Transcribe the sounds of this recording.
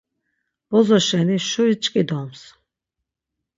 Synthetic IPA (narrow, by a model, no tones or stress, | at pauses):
b̥ɔzɔʃɛniʃuɾit͡ʃʼkʼid̪ɔms